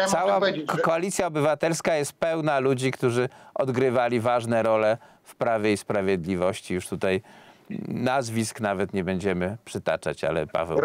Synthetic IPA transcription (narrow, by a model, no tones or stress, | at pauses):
sawakɔalʲit̪sʲjaɔbɘvat̪ɛlskajɛst̪̚pɛwnalud͡ʑikt̪uʐɘʔɔd̪ɡɾɘvalʲivaʐnɛɾɔlɛ | fpɾavʲjeispɾavʲjɛd̪lʲivɔɕt͡ɕijuʂt̪ut̪aj | nazvʲisknavɛt̪ɲɛbɛɲd͡ʑɛmɘpʂɘt̪a̰t͡ʂa̰t͡ɕa̰lɛ̰pa̰vɛ̰